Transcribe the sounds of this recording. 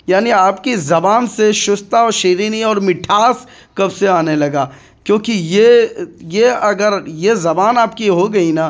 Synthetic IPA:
jaːniaːpkizɐbaːnseʃʊst̪aɔːɾʃeːɾiniɔːɾmɪʈʰaːs | kɐbseaːnelɐɡaː | kjõːkijejeɐɡəɾjezɐbaːnaːpkiɦoɡɐinaː

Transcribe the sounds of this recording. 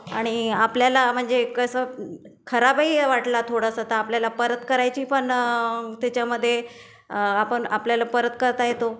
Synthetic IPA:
aɽ̃iapljalam̤əɳd͡zekəsə | kʰəɾabaiʋaʈlat̪ʰoɽəsat̪aːpljalapəɾət̪kəɾajt͡ɕiːpəɳt̪jat͡ɕjaməd̪ʱːje | apəɳapljalapəɾət̪kəɾt̪ajet̪o

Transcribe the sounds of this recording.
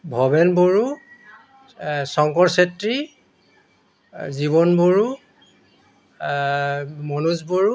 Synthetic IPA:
bʱɔbɛnboɹu | sɔŋkɔɹsetɹi | ziβɔnboɹu | mɔnusboɹu

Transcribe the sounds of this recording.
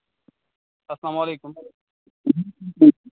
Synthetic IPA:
ɐslaːmaːleːkʊm

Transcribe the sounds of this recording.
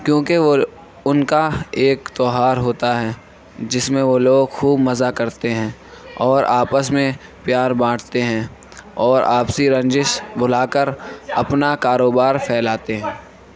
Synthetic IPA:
kjõːkeo | ʊnkaeːkt̪ɔːɦaːɾɦoːt̪aɦɛː | d͡ʒɪsmẽʋoloːɡxuːbmɐzakɐɾt̪eɦɛ̃ːɔːɾaːpəsmẽ | pjaːɾbãːɽt̪eɦɛ̃ː | ɔːɾa̰ːpsiɾɐ̃ɲd͡ʒɪʃbʱʊlaːkəɾɐpnakaːɾoːbaːɾpʰɛːlaːt̪eɦɛ̃ː

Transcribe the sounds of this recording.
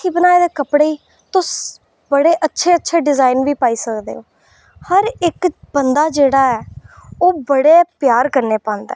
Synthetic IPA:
iːbənaːeːd̪eːkəpɽeːiː | t̪ʊs | bəɽeːʔətːʃʰeːətːʃʰeːɖɪzaːinʋiːpaːiːsəkd̪ḛːɦoː | həɾɪkbənd̪aːd͡ʒeːɽaːɛːoːbəɽeːpjaːɾkəɾneːpãːnd̪ɛ̰ː

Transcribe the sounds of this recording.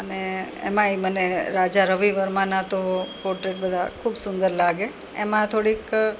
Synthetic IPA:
əneḛmãiməneɾad͡ʒaɾəʋiʋəɾmãnat̪oɦopoɾʈɾeʈ̚bəd̪ʱakʰubsʊnd̪əɾlaɡe | ḛmãt̪ʰoɽik

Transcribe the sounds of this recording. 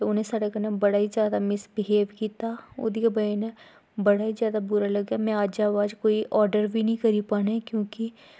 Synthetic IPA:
eʊnẽːsaːɽakənãbəɽaːizaːd̪amɪsbɪɦeːʋkiːt̪aːʊ̰d̪iːkabɐne | bəɽaːizjaːd̪abuːɾalɐɡamɛ̃aːd͡ʒaːʋaːd͡ʒkoːiʔɔːɾɖəɾbʱinəĩːkəɾiːpaːnaɛkjõːki

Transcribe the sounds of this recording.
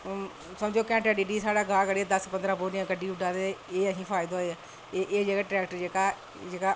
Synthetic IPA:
səmd͡ʒoːkɛ̃ːʈɛːɖiːɖiːsaːɽaːɡãːkəɽiɛːd̪əspənd̪ɾãːboːnɪãːkəɖiːʊɖãːd̪eeːəɦĩːpʰaːɪd̪aːɦoeɛː | ʔeːd͡ʒeːɡaːʈɾɛːk̚ʈəɾd͡ʒeːkaː | eːkaː

